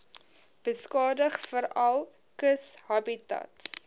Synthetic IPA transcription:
b̥əskɑːdəχfəɾɐlˠ | kəsɦɐbitɐ̰ts

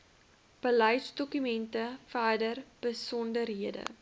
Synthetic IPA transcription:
b̥ələjtsdɔkymɛntəfæːdərb̥əsɔndərɦiədə̰

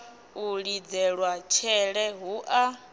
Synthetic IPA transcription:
uɺid͡zɛɺwat͡ʃʰɛɺɛɦuʔa

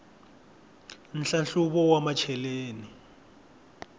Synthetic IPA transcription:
n̩ɬanɬuɓɔwamat͡ʃʰɛleːni

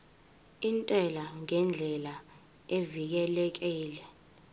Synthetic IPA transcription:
intʼɛlaŋɛnd͡ɮʱɛla | evik̬ɛlɛk̬ɛːlɛ

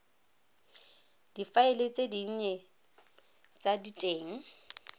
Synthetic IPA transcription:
d̥ifaɪlet͡sʼediɲɛ | t͡sʼaditʼeːŋ̩

